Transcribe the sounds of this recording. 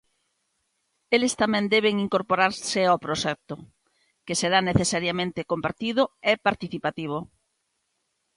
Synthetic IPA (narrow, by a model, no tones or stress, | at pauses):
elest̪amɛ̃nd̪ɛβeŋiŋkoɾpoɾaɾseawpɾoʃɛk̚t̪o | keseɾaneθesaɾjamẽnt̪ekompaɾt̪iðʊepaɾt̪iθipat̪iβ̞o